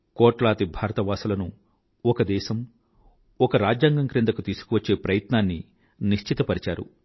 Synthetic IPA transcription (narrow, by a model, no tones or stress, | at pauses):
kɔːʈlaːt̪ibʱaːɾɐt̪ɐʋaːsulɐnu | ɔkɐd̪ɛːʃɐm | ɔkɐɾaːd͡ʒjaːŋɡɐŋkɾend̪ɐkut̪iːsu̥kuʋɐt͡ʃːe̞ːpɾɐjɐt̪naːnːi | niʃt͡ʃʰit̪ɐpɐɾit͡ʃaːɾṵ